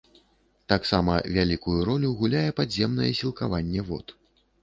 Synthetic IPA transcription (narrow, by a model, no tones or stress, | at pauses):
t̪aksamɐ̰vʲalʲikujuɾɔlʲuɣulʲajɛpad̪zʲɛmnɐjɛsʲilˠkavanʲːɛvɔ̰t̪